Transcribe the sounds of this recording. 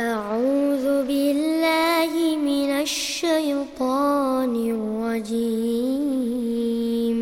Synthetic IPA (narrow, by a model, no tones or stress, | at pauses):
ʔaʕuːðʊbɪlːaːhɪmɪnaʃːajt̪ˤɑːnɪlːɑd͡ʒi | m